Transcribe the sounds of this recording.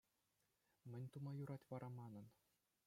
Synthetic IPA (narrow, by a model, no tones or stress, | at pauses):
mʲɘ̆nʲt̪umɑjuɾɑtʲʋɑɾɑmɑnɤ̆n